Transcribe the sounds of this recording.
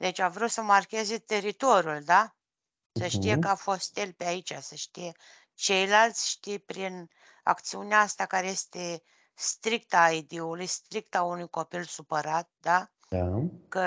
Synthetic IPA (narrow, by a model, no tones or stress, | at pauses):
d̪et͡ʃʲavɾut̪səmarkʲe̞ze̞t̪e̞ɾit̪o̞ɾʲjuld̪a | səʃt̪ijekəafo̞st̪e̞lpeait͡ʃasəʃt̪ije | t͡ʃe̞jlalt̪sʲʃt̪ijpɾin | a̰kt̪siuneaast̪akaɾeje̞st̪e̞ | st̪ɾik̚t̪aːid̪iulujst̪ɾik̚t̪aunujko̞pilsupəɾat̪̚d̪a | kə